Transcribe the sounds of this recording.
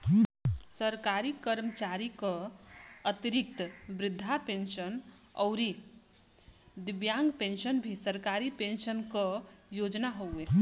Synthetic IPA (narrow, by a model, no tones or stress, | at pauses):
səɾkaɾikəɾmət͡ʃaɾikə̃ | ət̪iɾik̚t̪bɾɪd̪ʱːapensənɔʊɾi | d̪ɪbjaŋɡpensənbʱisəɾkaɾipensənkəjod͡ʒnaɦowe